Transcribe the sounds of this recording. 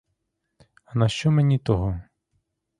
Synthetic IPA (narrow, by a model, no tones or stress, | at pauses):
ɐnɐʃt͡ʃɔmenʲit̪ɔɦɔ